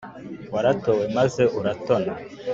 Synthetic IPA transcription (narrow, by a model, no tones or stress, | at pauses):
waɾatowe̞maze̞ʔuɾato̞na